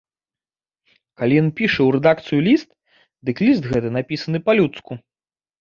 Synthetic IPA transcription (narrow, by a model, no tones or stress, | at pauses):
kalʲijɔnpʲiʂɐwɾɛd̪akt̪sɨjulʲist̪ | d̪ɨklʲis̬t̪ɣɛt̪ɨnapʲisɐnɨpɐalʲut̪sku